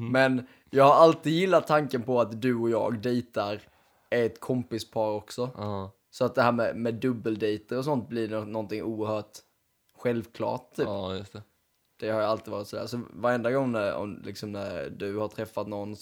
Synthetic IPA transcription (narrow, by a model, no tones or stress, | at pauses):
mɛn | jɑːɡhaɾalt̪iːd̪jɪlːat̪ʰːaŋkənpɔat̪d̪ɵɔjɑ̰ːɡd̪ɛjt̪aɾ | ɛt̪kʰɔmpɪspʰɑːɾɔksɔ | sɔat̪̚d̪ɛɦæːɾmɛmɛd̪ɵbːəld̪ɛjt̪əɾɔs̬ɔnt̪̚blɪnnɔnt̪ɪŋuːəɾhœːʈ | ɧɛlvkʰlɑ̰ːʈ̚t̪ʰːyːpjst̪ | d̪̥ɛhaɾjaalt̪iːvɑːɾɪt̪sɔd̪æ̰ːsɔvaɾɛnd̪aɡɔŋːnæɾɔ̰mlɪ̰ksɔmnæɾd̪ɵhaʈ̪ʰɾɛfːat̪nɔnː